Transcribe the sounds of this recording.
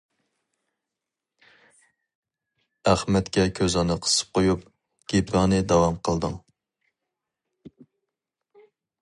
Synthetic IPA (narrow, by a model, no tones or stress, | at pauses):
æχmɛt̪kʲɛkʲʰøzɑnɨqʰə̥sɨ̥p̚qʰojup | ɡ̥ʲepvɑŋnɨd̪ɑwɑmqʰəlˠd̪ɨŋ